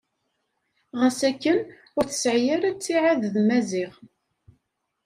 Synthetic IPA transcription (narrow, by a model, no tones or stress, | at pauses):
ʁəsækːən | ʊɾθə̥sʕjaɾæt͡sːiʕaððmæziʁ